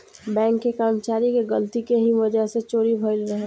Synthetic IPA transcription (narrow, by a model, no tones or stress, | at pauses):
bɛ̃ːŋkːekaːmt͡ʃaːɾikeɡəlt̪ikeɦiʋəd͡ʒəɦset͡ʃoːɾibʱəɪlɾəɦe